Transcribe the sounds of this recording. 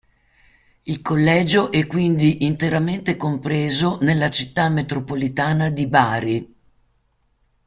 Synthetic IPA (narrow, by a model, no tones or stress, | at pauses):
ilkolːɛːd͡ʒoʔɛkːwind̪iʔint̪eɾament̪ekompɾeːzonelːat͡ʃit̪ːamet̪ɾopolit̪aːnad̪ibaːɾi